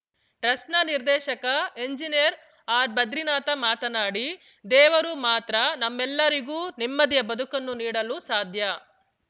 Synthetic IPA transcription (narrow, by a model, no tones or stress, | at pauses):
ʈɾɐsnɐniɾd̪ɛːʃɐkɐeɲd͡ʒinijɐɾ | aːɾbɐd̪ɾinaːt̪ɐmaːt̪ɐnaːɽi | d̪ɛːʋɐɾumaːt̪ɾɐnɐmːɛlːɐɾiɡuːnimːɐd̪ijɐbɐd̪ʱukɐnːuniːɽɐlusaːd̪ʱjɐ